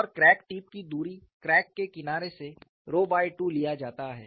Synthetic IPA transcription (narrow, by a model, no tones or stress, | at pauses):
ɔːɾkɾɛːkʈiːp̚kid̪uːɾi | kɾɛːkːekɪnaːɾese | ɾoːbaːiʈuːlijad͡ʒaːt̪aɦɛ̰ː